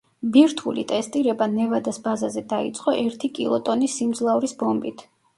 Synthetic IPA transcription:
biɾt̪ʰulḭt̪ʼɛst̪ʼiɾɛbanɛvad̪asbazazɛd̪aḭt̪sʼqʼɔʔɛɾt̪ʰikʼḭlˠɔt̪ʼɔnisːimd̪zlˠauɾisbɔmbit̪ʰ

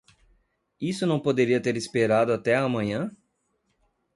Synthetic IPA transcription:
isʊnɐ̃w̃pod̪eɾiɐt̪eɾispeɾad̪ʊat̪ɛamɐ̃ɲɐ̃

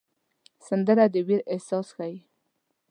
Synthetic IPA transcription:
sand̪əɾad̪əwiɾehsɑsxaj

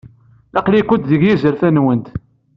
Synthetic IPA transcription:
ɑqlikʷʊt̪ðəʝjizəɾθænwənt̪

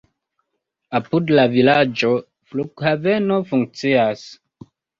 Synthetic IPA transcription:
apudlavilad͡ʒo | flukhavenofuŋk̚t͡sias

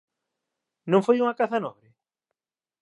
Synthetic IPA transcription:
nõŋfojuŋakaθanɔβɾɪ

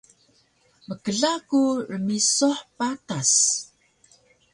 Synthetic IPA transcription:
məkəɮakurəmisuħpatas

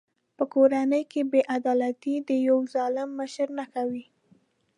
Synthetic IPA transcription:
pəkoɾanəjkebeʔad̪ɑlat̪id̪əjawzɑlɪmːəʃɾnakawi

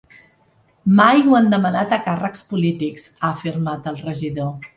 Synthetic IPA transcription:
majwand̪əmənat̪əkarəkspulit̪ikz̥aəfirmat̪əlˠrəʒiðo

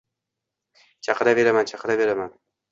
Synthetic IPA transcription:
t͡ʃʰɑqɨɾave̞ɾamant͡ʃʰɑqʰɨɾave̞ɾaman

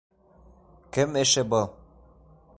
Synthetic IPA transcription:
kɘ̆meʃɘ̆bɤlˠ

